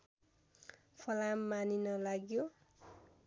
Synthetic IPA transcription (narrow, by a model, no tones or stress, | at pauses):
pʰʌlamːaninʌlaɡjo